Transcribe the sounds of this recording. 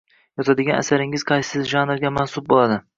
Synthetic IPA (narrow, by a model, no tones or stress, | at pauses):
jɒt̪ʰad̪ɪɡʲana̰saɾɪŋɪz̥qʰɑjsɪsɪzʒɑnɾɡʲamansʊp̚bolˠad̪ɪ